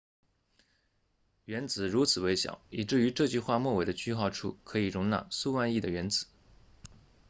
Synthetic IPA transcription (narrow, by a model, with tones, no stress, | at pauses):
ɥɛ˧˥nt͡sɹ̩˨˩ɻu˧˥t͡sʰɹ̩˨˩we˧˥ɪɕjɑ̰˨˩˦ʊi˨˩ʈ͡ʂɻ̩˥˩y˧˥ʈ͡ʂɤ˥˧t͡ɕy˥˧xwa˥˧mwɔ˥˩we˨˩ɪd̪ə˦t͡ɕʰy˥xɑ˥˧ʊʈ͡ʂʰṵ˥˩kʰɤ˧˥i˨˩ɻʊ˧˥ŋna̰˥˩su˥˧wa˥˧ni˥˩d̪ə˩ɥɛ˧˥nt͡sɹ̩˨˩˦